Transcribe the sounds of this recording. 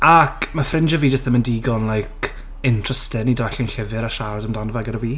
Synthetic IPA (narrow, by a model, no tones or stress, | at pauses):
akʰmafrɪnd͡ʒəviːd͡ʒəstðəməndiɡɔnlˠajk | ɪntʰr̥əstɪnidaɬɪnɬɪvɨɾaʃaɾadəmdanɔvɛɡəɾəwiː